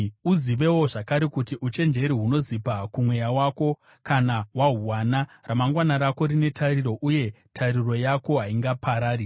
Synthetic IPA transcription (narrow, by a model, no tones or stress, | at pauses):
uziʋe̞wo̞ʐakaɾekutiʔut͡ʃe̞nd͡ʒe̞ɾiɦuno̞zipakumwe̞jawako̞ | kanaɦwaɦuwanaramaŋɡwanaɾako̞rine̞tʰariɾo̞ʔuje̞ | tʰariro̞jako̞ɦaiŋɡapʰaɾaːɾi